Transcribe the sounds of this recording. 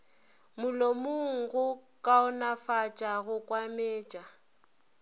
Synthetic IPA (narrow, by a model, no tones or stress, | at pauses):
mʊlomʊŋ̩ɣʊkʼaʊnafat͡ʃʼaɣʊkʼwameːt͡ʃʼa